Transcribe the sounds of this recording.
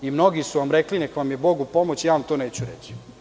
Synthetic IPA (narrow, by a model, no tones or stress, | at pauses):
imno̞ɡisuʋamɾeklinekʋamjebo̞ɡupo̞mot͡ɕijaːʋamt̪oːneːt͡ɕuɾḛt͡ɕi̥